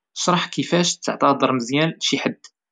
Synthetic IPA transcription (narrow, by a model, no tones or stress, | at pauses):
əʃɾˤəħkəfæʃt̪ːə̰ʕt̪ˤɑd̪ˤəɾˤməzjælʃiħəd̪ː